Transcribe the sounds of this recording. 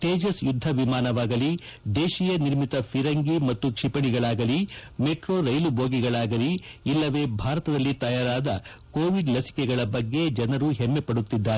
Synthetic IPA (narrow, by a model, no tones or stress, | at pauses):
ʈeːd͡ʒɐsjud̪ʱːɐʋimaːnɐʋaːɡɐlid̪eːʃiːjɐniɾmit̪ɐpʰiɾɐŋɡimɐt̪ːukʂipɐɳiɡɐɭaːɡɐlimeʈɾo̞ːɾɐjlubʱoːɡiɡɐɭaːɡɐliːlːɐʋe̞ːbʱaːɾɐt̪ɐd̪ɐlːit̪ɐjaːɾaːd̪ɐ | ko̞ːʋiɖlɐsi̥kɛɡɐɭɐbɐɡːe̞d͡ʒɐnɐɾuɦemːepɐɽut̪ːid̪ːaːɾe